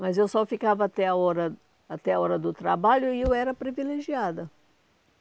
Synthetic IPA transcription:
mɐzewsɔfikavɐːt̪ɛɐɔɾɐ | at̪ɛɐɔɾɐd̪ʊt̪ɾabaʎʊɪewɛɾɐpɾivileʒiad̪ɐ

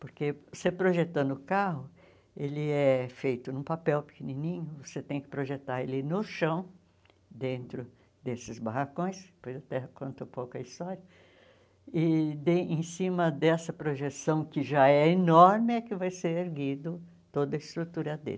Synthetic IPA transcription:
poɾkevosepɾoʒet̪ɐ̃nd̪ʊʊkaɦʊ | elɪɛɛfejt̪ʊnũpapɛwpɪ̥kenĩnĩɲʊvoset̪ẽj̃kɪ̥pɾoʒet̪aɾelɪnʊʃɐ̃w̃ | d̪ẽnt̪ɾʊ | d̪esɪzbahakõj̃spojzɐt̪ɛɐkõnt̪ɐpowkʊɐist̪ɔɾjɐ | ɪd̪eẽsĩmɐd̪ɛsɐpɾoʒesɐ̃w̃kɪʒaɛenɔɾmɪɛkɪvajseɾeɾɡid̪ʊ | t̪od̪ɐɪst̪ɾut̪uɾɐd̪ḛlɪ

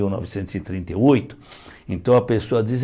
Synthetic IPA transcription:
iwnɔ̰visẽnt̪ʊzɪt̪ɾĩnt̪eojt̪ʊ̥ | ẽnt̪ɐ̃w̃ɐpesoɐd͡ʒiz

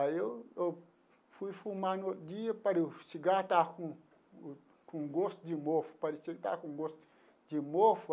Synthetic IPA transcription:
aew | fujfumanot̪d͡ʒiɐpaɾiusiɡat̪akũ | kũɡost̪ud͡ʒimofu̥paɾiseɡt̪a̰kũɡost̪ | d͡ʒimof

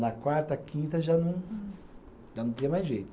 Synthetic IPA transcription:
nɐkwaɾt̪ɐkĩnt̪ɐʒanũ | ʒanɐ̃t̪ĩɲɐmajʒejt̪

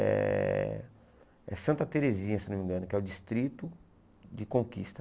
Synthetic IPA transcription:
ɛ̰ | ɛ̰sɐ̃nt̪ɐt̪eɾezĩɲɐsenõmĩɡɐ̃nʊkɪɛʊd͡ʒist̪ɾit̪ʊ | d͡ʒɪkõkḭst̪ɐ

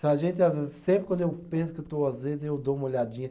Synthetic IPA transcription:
saʒẽnt̪ɪazvezɪsẽmpɾɪkwɐ̃d̪ʊewpẽsʊ̥kɪt̪oazvezɪzewd̪oũmɐoʎad͡ʒĩɲɐ

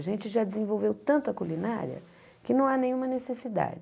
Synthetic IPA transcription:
ʒẽnt͡ʃɪʒad͡ʒɪzẽvowvewt̪ɐ̃nt̪ʊɐkulina̰ɾiɐ̰ | kɪnɐ̃w̃anẽj̃ũmɐnesesid̪a̰d͡ʒɪ

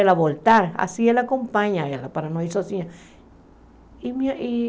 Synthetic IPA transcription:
elaβolt̪aɾa̰sielakompaɲãlapaɾanõisosiɲa | imaʔi

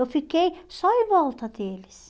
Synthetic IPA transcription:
ofikːejsoiʋolt̪ɑt̪eːlis

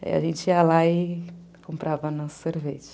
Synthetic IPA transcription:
ḭɐ̰ʒẽnt͡ʃɪiɐlaɪ | kõmpɾʔavɐɐnɔsɐ̥seɾveʒɐ

